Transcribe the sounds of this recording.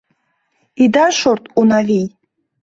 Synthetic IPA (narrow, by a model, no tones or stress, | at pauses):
id̪aʃoɾt̪unavij